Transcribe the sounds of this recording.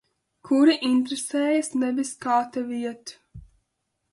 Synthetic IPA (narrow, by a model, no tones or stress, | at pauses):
kʰuɾiʔint̪ɾesɛːjɐsnɛbiskaːt̪aviɛt̪u̥